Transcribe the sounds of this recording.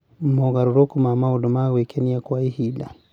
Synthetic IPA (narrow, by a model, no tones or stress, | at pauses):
mɔɣaɾuɾokumamaudumawekɛniakwaihila